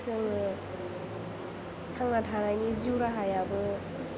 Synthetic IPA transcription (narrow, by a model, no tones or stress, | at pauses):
sɯŋɯ | kʰaŋnatʰaɾajniziwɾaɦajabɯ